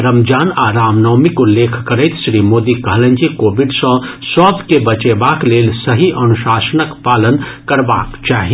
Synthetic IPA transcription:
ɾəmd͡ʒaːnaːɾaːmnɔmikʊlːeːkʰkəɾəɪt̪ʃɾiːmoːd̪ikəɦlə̃nd͡ʒikoːbiɖsə̃sɔb̪kebət͡ʃebaːkleːlsəɦiʔɐnuʃaːsənəkpaːlənkəɾba̰ːkt͡ʃaːɦi

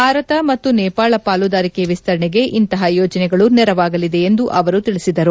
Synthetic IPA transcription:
bʱaːɾɐt̪ɐmɐt̪ːunɛːpaːɭɐpaːlud̪aːɾikeʋist̪ʰɐɾɐɳɛɡe̞ʔint̪ɐɦɐjoːd͡ʒɐnɛɡɐɭunɛɾɐʋaːɡɐlid̪e̞ːnd̪uʔɐʋɐɾut̪iɭisid̪ɐɾu

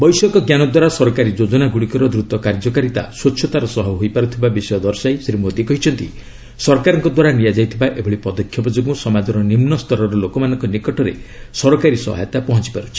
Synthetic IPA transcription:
bɔjsɔkɔɡjanɔd̪waɾasɔɾɔkaɾid͡ʒod͡ʒɔnaɡuɽikɔɾɔd̪ɾut̪ɔkaɾd͡ʒɔkaɾit̪a̰swot͡ʃʰɔt̪aɾɔsɔɦɔɦojpaɾut̪ʰibabisɔjɔd̪ɔɾsajsɾimod̪ikɔɦit͡ʃʰɔnt̪ḭ | sɔɾkaɾɔŋkɔd̪waɾanijad͡ʒajt̪ʰibaʔebʱɔɽipɔd̪ɔkʰːjɔbɔd͡ʒoɡũsɔmad͡ʒɔɾɔnimnɔst̪ʰɔɾɔɾɔlokɔmanɔ̃ŋkɔnikɔʈʰɔɾesɔɾɔkaɾisɔ̰ɦa̰jɔt̪apɔɦɔt͡ʃi̥paɾut͡ʃʰi̥

